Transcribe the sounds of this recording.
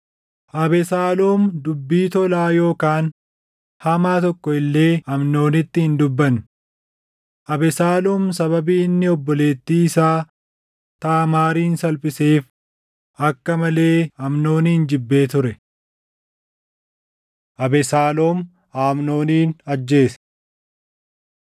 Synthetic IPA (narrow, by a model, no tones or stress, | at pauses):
ʔɐbɛsaːlo̞ːmd̪ʊbːiːt̪ɔlaːjo̞ːkaːn | hɐmaːt̪ɔkːɔɪlːe̞ːɐmno̞ːnɪt̪ːɪhɪnd̪ʊbːɐn | ʔɐbɛsaːloːmsɐβɐbiːɪnːɪɔbːɔle̞ːt̪ːiːɪsaː | t̪aːmaːɾiːnsɐlpʼɪseːf | ɐkːɐmɐle̞ːɐmno̞ːniːnd͡ʒɪbːe̞ːt̪ʊɾɛ | ʔɐbɛsaːloːm | aːmno̞ːniːnɐd͡ʒːe̞ːs